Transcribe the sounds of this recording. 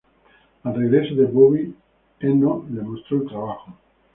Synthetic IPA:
alreɣɾesoðeβoβi | enolemost̪ɾoelt̪ɾaβaxo

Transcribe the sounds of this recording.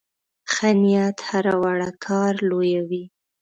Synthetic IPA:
xanijat̪haɾawaɽakʰɑɾlojawi

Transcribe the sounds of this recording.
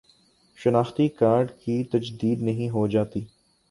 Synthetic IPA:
ʃɐnaːxt̪ikaːɾɖkit̪ɐd͡ʒd̪iːd̪nɐɦĩɦod͡ʒaːt̪iː

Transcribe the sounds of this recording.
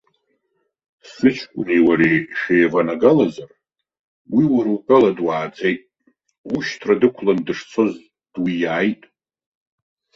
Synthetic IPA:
sɨt͡ʃʰkʷʼʊniwaɾeʃejvanaɡalazar | wiwaɾukʼaladwaːd͡zʰʼe̞jtʼ | uʃtʰradɨkʷʰlandɨʂt͡sʰo̞z | d̥wijaːjtʼ

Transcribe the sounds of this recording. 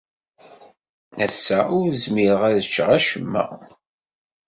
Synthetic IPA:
æsːæʊɾzmiɾəʁæðət͡ʃːʁæʃəmːæ̰

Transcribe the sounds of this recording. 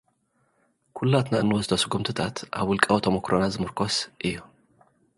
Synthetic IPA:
kʰulːat̪naʔɨnːwɔzt̪ʰɐsɨɡumt̪ʰɨt̪ʰat̪ʔa̰βwʊlkʼɐwot̪ʰomokɾonazɨmɨɾkʰosʔɨjːu

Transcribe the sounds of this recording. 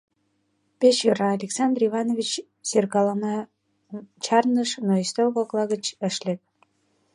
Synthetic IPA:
pet͡ɕjøɾɑːlʲeksɑnd̪rivɑnovʲit͡ɕ | serkɑlɑnɑ | t͡ɕɑrnəʃnoist̪olɣoklˠɑɣət͡ɕəʃlʲep̚

